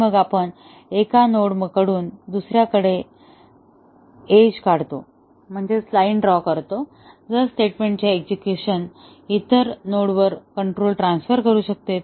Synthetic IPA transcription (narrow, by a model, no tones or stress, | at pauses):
məɡapəɳ | ekanoɽməkəɽuːnd̪usɾjakəɽe | ed͡ʑkaɽt̪o | m̤əɳd͡zeslaiɳɖɾɔkəɾt̪o | d͡zəɾsʈeʈmẽɳʈ̚t͡ɕjaekd͡ʑukjuɕən | it̪əɾnoɽʋəɾkəɳʈɾolʈɾansfəɾkəɾuːɕək̚t̪et̪̚